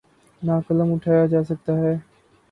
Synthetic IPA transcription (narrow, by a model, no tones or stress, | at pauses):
naːkələmʊʈʰaːjaːd͡ʒaːsək̚t̪aːɦɛː